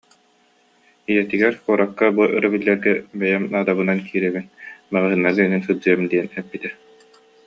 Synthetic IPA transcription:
ijɛt̪iɡɛɾkuɔɾakːabuʔɯɾabilːɛɾɡɛbɛjɛmaːd̪aβɯnankʰiːɾɛβinbaʁɯɦɯnːaɾɡininsɯd͡ʑɯjɛmd̪iɛnɛpːit̪ɛ

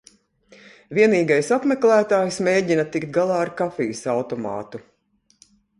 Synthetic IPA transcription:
vʲiɛniːɡajsapmɛklæːt̪aːjsmeːɟinɐt̪ikt̪̚ɡalˠɑːaɾkafijusawt̪ɔmɑ̰ːt̪u

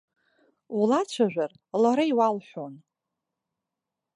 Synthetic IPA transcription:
ulat͡ɕʷʰaʒᶣʷar | laɾaiwalħʷᶣon

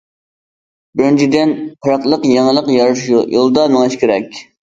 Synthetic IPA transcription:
bɪɾnt͡ʃʰid̪ɪnpʰɨɾɑqlˠəqjeŋlˠəqjɑɾʃjujolˠd̪ɑnɨŋɨʃkʲɪɾɛkʲ

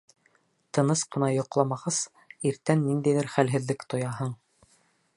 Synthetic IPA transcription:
t̪ɤ̆nɤsqɤ̆nɑjŏqlˠɑmɑʁɑs | iɾt̪ænːind̪æjðɘɾχælɦɘ̆ðlɘkt̪ŏjɑɦɤɴ

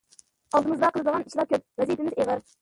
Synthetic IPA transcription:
ɑlˠd̪ɨmɨzd̪ɑqʰəlˠɨd̪əʁɑniʃlˠɑkʲøp̚vɛzijt̪ʰɪmɪzeʁəɾ

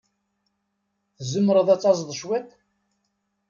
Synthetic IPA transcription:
θzəmːəɾəðˤæt͡sːɑzˤðˤəʃwæt̪

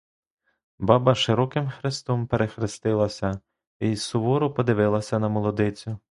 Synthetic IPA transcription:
bɑbɐʃɪɾɔkɪmxɾɪst̪ɔmpeɾexɾɪst̪ɪlˠɐsʲɐ | isʊʋɔɾʊpɔd̪ɪʋɪlˠɐsʲɐnɐmɔlˠɔd̪ɪt͡sʲʊ

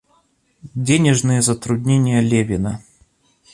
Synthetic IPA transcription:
dʲenʲɪʐnɨjəzət̪ɾʊdʲnʲenʲɪjəlʲevʲɪnə

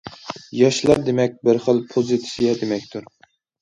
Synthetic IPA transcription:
jɑʃlˠɑɾd̪emɛk̚ʲbɪɾχəlˠpʰozit̪ʰɪ̥sijɛd̪emɛkʲt̪ʰuɾ

